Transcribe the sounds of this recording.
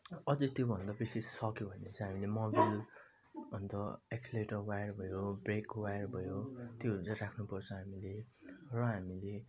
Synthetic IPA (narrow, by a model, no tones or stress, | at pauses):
ʌd͡zʌt̪jobʱʌnd̪abisessʌkjobʱʌnet͡sʰʌ̃ɦamilemobil | ʌnt̪ʌeksleʈʌrwajʌrbʱʌjobrekwajʌrbʱʌjot̪joɾut͡sʌjɾakʰnupʌrt͡sʰʌɦamilerʌɦamile